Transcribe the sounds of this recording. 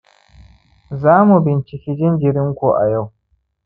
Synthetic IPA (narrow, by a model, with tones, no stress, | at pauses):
zaː˦mu˨bɪ˨nt͡ʃɪ˨kʲi˦d͡ʒɪ˦nd͡ʒɪ˨ɾɪ˦ŋkʷu˨ʔa̰˨ja˦˨w